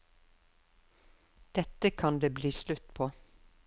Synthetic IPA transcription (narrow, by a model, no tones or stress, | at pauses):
d̪̥ɛt̪əkʰɑnd̪eːbliːslʉt̪pʰoː